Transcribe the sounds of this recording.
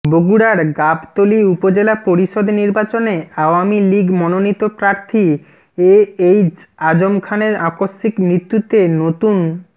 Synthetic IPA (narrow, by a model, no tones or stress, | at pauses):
boɡuɽaɾɡabt̪oliupod͡ʑelapoɾiʃod̪niɾbat͡ɕoneaoamiliɡmɔnonit̪opɾaɾt̪ʰi | eejd͡ʑad͡ʑomkʰaneɾakosːikmɾit̪ːut̪enot̪un